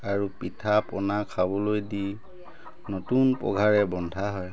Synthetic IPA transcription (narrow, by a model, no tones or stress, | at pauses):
aɹupitʰapɔnakʰabɔlojdi | notunpɔ̰ɡʱaɹɛbɔndʱaɦɔj